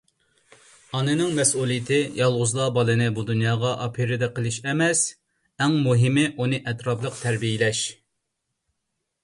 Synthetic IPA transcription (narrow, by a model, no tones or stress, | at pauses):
ɑnɨnɨŋmɛsulˠijɪt̪ʰɪjʔɑlˠʁʊzlˠɑbɑlˠɨnɨbud̪unjɑːʁɑʔɑpʰiɾɪd̪ɛqʰəlˠɨʃɛmɛs | ɛŋmuɦɪmɪʔunɨʔɛt̪ɾɑplˠəqt̪ʰæɾbijɪlɛʃ